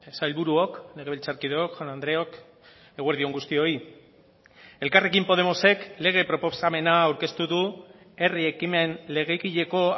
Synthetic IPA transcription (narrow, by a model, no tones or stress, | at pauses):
sajlβuɾuo̞kle̞ɣeilt͡saɾkiðeokʝanand̪ɾe̞ok | eɣweɾð̞io̞ŋɡust̪io̞i | e̞lkare̞kimpo̞ð̞e̞mo̞se̞kle̞ɣ̞e̞pɾo̞posame̞naːwɾke̞st̪uðu | e̞rie̞kime̞nle̞ɣ̞ekiʎe̞ko̞